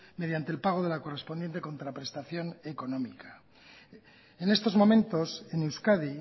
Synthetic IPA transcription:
me̞ð̞jant̪elpaɣ̞o̞ðe̞lako̞re̞spo̞nd̪jent̪e̞ko̞nt̪ɾapɾe̞st̪aθjo̞ne̞ko̞no̞mika | ene̞st̪o̞zmo̞mẽ̞nt̪o̞se̞newskaði

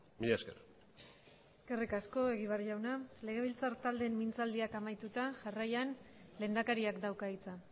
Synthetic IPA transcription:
miʎeskeɾ | e̞ske̞rikasko̞e̞ɣiβarʝawnale̞ɣ̞e̞β̞ilt͡saɾt̪ald̪e̞mːint͡sald̪iakamajt̪ut̪aʝarajanle̞ːnd̪akaɾiakd̪awkait͡sa

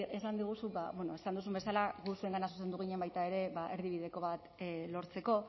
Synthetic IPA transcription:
e̞sand̪iɣ̞usuba̰βweno̞esand̪usumbe̞salaɣusue̞ŋɡanasu̥s̬e̞nd̪uɣ̞iɲe̞mbajt̪ae̞ɾe̞βaʔe̞ɾðiβ̞iðe̞ko̞βat̪lo̞ɾt͡se̞ko̞

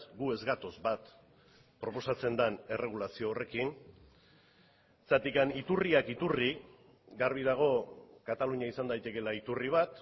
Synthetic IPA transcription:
ɡue̞zɣat̪o̞zbat̪ | pɾo̞po̞sat͡se̞nd̪ane̞re̞ɣ̞ulasio̞ːre̞kin | t͡sat̪ikanit̪uriakit̪uri | ɡaɾβ̞ið̞aɣ̞o̞kat̪aluɲiaisand̪ajt̪e̞ke̞lait̪uriβ̞at̪

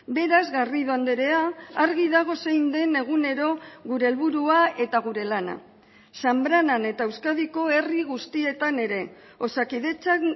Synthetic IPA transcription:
be̞ɾazɣariðoand̪eɾe̞aaɾɣiðaɣ̞o̞sejnd̪e̞ne̞ɣ̞une̞ɾo̞ɣuɾe̞ːlβuɾuae̞t̪aɣ̞uɾe̞lana̰ | sambɾanane̞t̪aewskað̞iko̞e̞riɣ̞ust̪ie̞t̪ane̞ɾe̞ | o̞sakiðe̞t͡sa

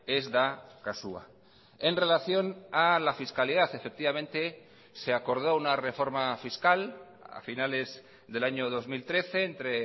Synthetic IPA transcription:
ezðakasua̰ | enre̞laθjo̞nalafiskaliðaθefek̚t̪iβamẽnt̪e̞ | se̞ako̞ɾð̞ounare̞fo̞ɾmafiskal | a̰finale̞z | ðe̞laɲoðo̞zmilt̪ɾe̞θeːnt̪ɾe

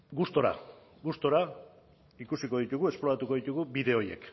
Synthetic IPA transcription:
ɡust̪o̞ɾa̰ | ɡust̪o̞ɾa | ikusiko̞ð̞it̪uɣue̞splo̞ɾat̪uko̞ðit̪uɣubiðe̞o̞je̞̰k

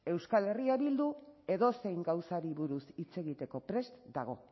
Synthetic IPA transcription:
e̞wskale̞riaβild̪ue̞ðo̞se̞jŋɡawsaɾiβuɾusit͡se̞ɣit̪e̞ko̞pɾe̞st̪d̪aɣ̞o̞̰

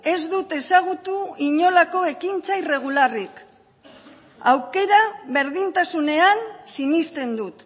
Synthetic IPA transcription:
e̞zd̪ut̪e̞saɣ̞ut̪uiɲo̞lako̞e̞kint͡sajre̞ɣ̞ularik | awke̞ɾaβe̞ɾðint̪asune̞ansinist̪e̞nd̪ut̪

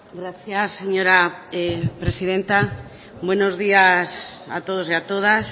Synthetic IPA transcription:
ɡɾaθjasːeɲoɾaepɾesiðent̪a | bwenozðiasa̰t̪oð̞oseat̪oð̞as

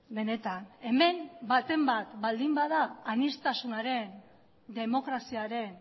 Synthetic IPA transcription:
be̞ne̞t̪ane̞me̞mbat̪e̞mbat̪bald̪imbað̞aːnist̪asunaɾe̞n | d̪e̞mo̞kɾasiaɾe̞n

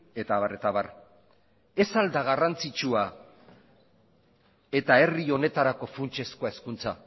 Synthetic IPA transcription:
e̞t̪aβare̞t̪aβar | e̞sald̪aɣarant͡sit͡ʃua | e̞t̪ae̞rio̞ne̞t̪aɾako̞funt͡ʃe̞skoaeskunt͡sa

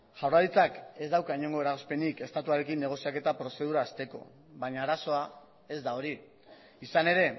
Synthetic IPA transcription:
ʝawraðit͡sake̞zd̪awkaiɲo̞ŋɡo̞e̞ɾaɣospe̞nike̞st̪at̪uaɾe̞kinːe̞ɣ̞o̞siake̞t̪apɾo̞se̞ð̞uɾaːst̪e̞ko̞̰ | βaɲaːɾaso̞a | e̞zd̪ao̞ɾi | isane̞ɾe̞

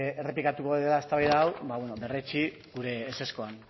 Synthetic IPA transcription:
ere̞plikat̪ukoelaest̪aβajðaːwbaβwenobe̞ret͡ʃi | ɡuɾe̞ːse̞sko̞an

